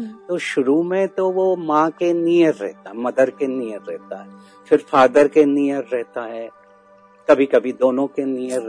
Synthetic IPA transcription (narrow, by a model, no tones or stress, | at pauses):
t̪oʃʊɾumẽt̪oʋomãkenijəɾːɛ̰ɦt̪aɦɛmɐd̪əɾkenijəɾːɛɦt̪aɦɛː | fʰɪɾfaːd̪əɾkenijəɾːɛɦt̪aɦɛː | kɐbʱikɐbʱid̪oːnõkenijəɾ